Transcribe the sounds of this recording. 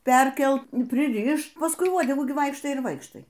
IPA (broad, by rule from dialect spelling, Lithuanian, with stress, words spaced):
ˈpʲɛrʲkʲɛlˠt pʲrʲˈɪrʲɪʃt pɐsˈkʊɪ ˈʋuɔdʲɛɡuː ɡʲɪ ˈʋɐɪkʃtɐɪ ɪr ˈʋɐɪkʃtɐɪ